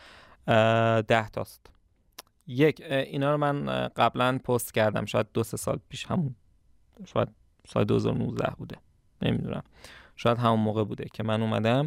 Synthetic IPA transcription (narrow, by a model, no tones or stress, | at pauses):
d̪æht̪ʰɒ̰ːst̪ | jecʰʔiːnɒːɾomænɢæblænpʰost̪cʰæɾd̪æ̰mʃɒːjæd̪̚d̪ose̞sɒ̰ːlpʰiːʃhæmun | ʃɒːjæ̰d̪̚ | sɒ̰ːled̪ohe̞zɒ̰ːɾonuːzd̪æ̰hbuːd̪e̞ | nḛmid̪ṵnʔæ̰mʃɒːjæd̪ɦæmunmoːɣebuːd̪ecʰe̞mænuːmæd̪æm